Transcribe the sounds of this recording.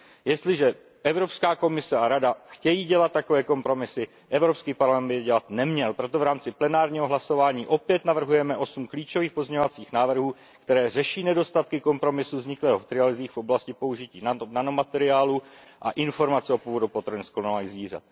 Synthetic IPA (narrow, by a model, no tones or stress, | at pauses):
jɛst̪lɪʒɛ | ʔɛvɾo̞pskaːko̞mɪsɛaɾadaxcɛjiːɟɛlat̪̚tːako̞vɛːko̞mpɾo̞mɪsɪ | ʔɛvɾopskiːpaɾlamɛnbɪɟɛlat̪nɛmɲɛlpɾo̞t̪ovɾaːmt͡sɪplɛnaːɾɲiːɦoɦlaso̞vaːɲiːʔo̞pjɛt̪navr̩ɦujɛmɛʔo̞sumkliːt͡ʃo̞viːxpo̞zɲɛɲovat͡siːxnaːvr̩ɦuː | kt̪ɛɾɛːr̝ɛʃiːnɛdo̞st̪at̪kɪko̞mpɾo̞mɪsuvzɲɪklɛːɦot̪ɾɪalɪziːxfʔo̞blascɪpo̞uʒɪciːnnanomat̪ɛɾɪaːluʔa̰ʔɪnfo̞ɾmat͡sɛo̞puvodupot̪ɾnsklonaliːɣzviːr̝a̰t̪̚